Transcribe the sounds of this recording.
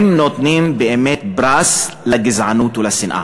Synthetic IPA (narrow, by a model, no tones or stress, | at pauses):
nnot̪ˤniːnbɪʔɪmeːt̪̚bɾɑːs | laɡɪzʕanuːt̪wlasɪnʔa̰